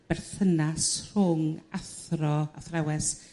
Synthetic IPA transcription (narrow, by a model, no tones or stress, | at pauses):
b̥ɛrθənasr̥ʊŋaθrɔaθrawɛs